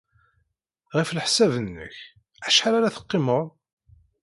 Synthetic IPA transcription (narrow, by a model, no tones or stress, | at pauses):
ʁifləħsævənːə̰ç | æʃħaɾaɾaθə̥qːɪmoɾˤ